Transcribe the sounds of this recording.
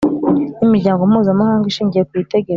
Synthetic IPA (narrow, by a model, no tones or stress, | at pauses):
nimiɾɟaːŋɡo̞muːzamahaːŋɡiʃiːɲɟije̞k̚wite̞ɡeɾa